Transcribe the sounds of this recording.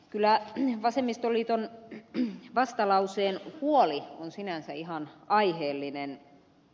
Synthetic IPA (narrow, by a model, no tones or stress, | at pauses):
kylːˑæʋɑsemːist̪olːiːt̪on | ʋɑst̪ɑlɑuseːnhuolionsinænsæihɑnɑiheːlːinen